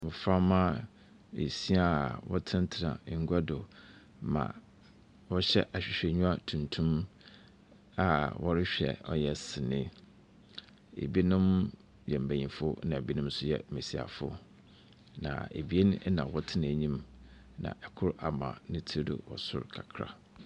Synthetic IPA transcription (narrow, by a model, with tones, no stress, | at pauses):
mʊ̃˨fa˦mã˦ | ḛ˨si˦a˦˨wɔ˦tʰɪ̃˦n˦tʰɪ˨ɾã̰˨˦ŋ̩˦ɡʷa˦dʊ˨ | mã̰˨ | wɔ˦ɕɛ˦ʔa˨ɕᶣɪ˨ɕᶣɛ˨ɲũ˦a˦˨tʰũ˨ntʰũ˦m | a˨wʔɔ˦ɾɪ˦ɕᶣɛ̰˨ɔ̰˦jɛ˦sɪ˨nɪ̃˦ | ḛ˨bi˦nʊ̃˦m | jɛ˨m̩˨bæ̃˨ɲĩ˨fʊ˦nã˨bi˦nʊ̃˦m˦sʊ˦jɛ˦˨me˨si˨a̰˨fʊ̰˦ | nã̰˨ḛ˨bi˨˦e˦ñ˦nã˨wɔ˦tʰɪ˦ñ˨æ˨ɲĩ˦m | nã̰˨ʔɛ˨kʰʊ˦ɾa˨mã̰˨nɪ̃˦tʰi˦ɾdʊ̰˨wɔ̰˨sʊ̰˦ɾkʰa˨kʰɾa̰˨